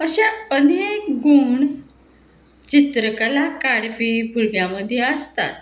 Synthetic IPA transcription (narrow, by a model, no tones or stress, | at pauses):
əɕaənekɡuɳ | t͡ɕit̪ɾəkalakaɽpibuɾɡjaməd̪ʱːjeəst̪a̰t̪